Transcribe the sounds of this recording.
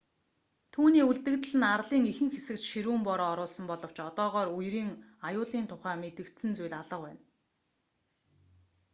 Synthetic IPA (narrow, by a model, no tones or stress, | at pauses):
t̪ʰuːniːuɮt̪ɘ̆kt̪ɘ̆ɮɘ̆narɮiːŋixɘ̆ŋxesɘ̆kt͡ɕʃiɾuːmpɔɾɔːɾʊːɮsɞ̆mpɔɮɞ̆w̥t͡ɕɔt̪ɔːʁɔːɾujriːŋ | ajʊːɮiːnt̪ʰʊχæːmet̪ɘ̆kt̪sɘ̆nt͡sujɮaɮə̆qwæ̰ːn